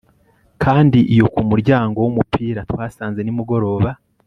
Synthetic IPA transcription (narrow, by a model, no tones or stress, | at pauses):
kʰaːndiʔijo̞kumuɾɟaːŋɡo̞wumupiːɾatwaːsaːnze̞nimuɡo̞ɾo̞ːβa